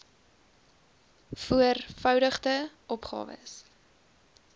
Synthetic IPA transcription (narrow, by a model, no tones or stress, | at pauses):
fuərfœwdəχtəʔɔpχɑ̰ːvə̰s